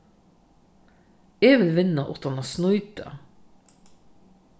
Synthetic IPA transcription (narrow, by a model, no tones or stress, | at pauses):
eːʋɪlʋɪnɑʔʊt̪ɑnɑsnɔʏt̪ɑ̰